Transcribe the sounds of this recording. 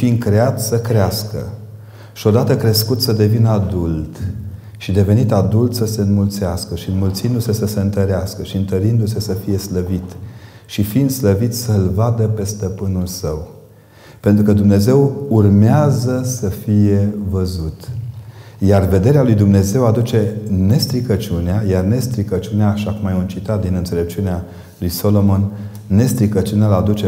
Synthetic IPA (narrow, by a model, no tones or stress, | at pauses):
find̪̚kɾeat̪səkɾeaskə̰ | ʃio̞d̪at̪əkɾe̞skut̪səd̪e̞vinəad̪ult̪ | ʃid̪e̞ve̞nit̪ad̪ult̪səse̞ɨnmult̪seaskəʃiɨnmult̪sind̪use̞səse̞ɨnt̪əɾeaskəʃiɨnt̪əɾind̪use̞səfije̞sləvit̪ | ʃifind̪sləvit̪sʲsəɨlvad̪əpe̞st̪əpɨnulsəw | pent̪ɾukəd̪umne̞ze̞wurmeazəsəfije̞vəzut̪ | jarve̞d̪e̞ɾealujd̪umne̞ze̞wad̪ut͡ʃe̞ne̞st̪ɾikət͡ʃuneajarne̞st̪ɾikət͡ʃuneaːʃakumajunt͡ʃit̪at̪̚d̪inɨnt̪se̞le̞p̚t͡ʃunea | lujso̞lo̞monː | e̞st̪ɾikət͡ʃunalad̪ut͡ʃe